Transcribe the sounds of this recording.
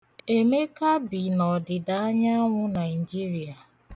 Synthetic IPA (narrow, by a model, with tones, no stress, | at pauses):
e˦me˦ka˦bi˨nɔ˨dɪ˨da˨a˦ɲa˦ŋʷʊ˦na˨i˨d͡ʒi˦ɾi˨a˨